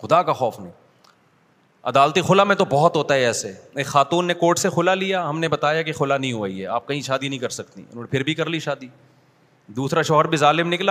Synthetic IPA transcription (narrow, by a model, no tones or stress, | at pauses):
xʊd̪akaxɔːfnɐɦĩ | ɐd̪aːlt̪ixʊlamẽt̪obɔɦɔt̪ɦoːt̪aɦɛɛːseexaːt̪uːnːekoːʈsexʊlalijaɦɐmnebɐt̪aːjakexʊlanɐɦĩɦoːəiɦɛaːp̚kɐɦĩʃaːd̪inɐɦĩkɐɾsɐkt̪ḭʊ̰n̤õːnepʰɪɾbʱikɐɾliʃaːd̪iː | d̪uːsɾaʃɔːɦəɾbʱizaːlɪmnɪkla